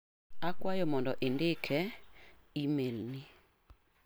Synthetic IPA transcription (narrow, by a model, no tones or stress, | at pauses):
akwajɔmɔndɔʔɪndɪkʰɛ | imelni